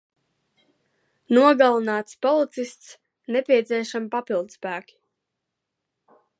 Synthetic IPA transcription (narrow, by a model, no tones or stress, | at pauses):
nuɔɡalˠinaːt̪spɔlˠit̪sist̪s | nepʲiɛt̪siɛʃampapilˠd̪spæːkʲi̥